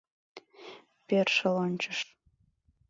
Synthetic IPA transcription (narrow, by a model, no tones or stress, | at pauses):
perʃəlonʲt͡ɕəʃ